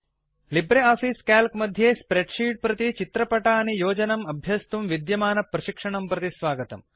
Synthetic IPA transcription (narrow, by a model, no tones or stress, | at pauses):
libɾeaːfiːskaːlkmɐd̪ʱjeːspɾeɖʂiːɖ̚pɾɐt̪it͡ʃit̪ɾɐpɐʈaːnijoːd͡ʒɐnɐmɐbʱjɐst̪umʋid̪jɐmaːnɐpɾɐʃikʂɐɳɐmpɾɐt̪isʋaːɡɐt̪ɐm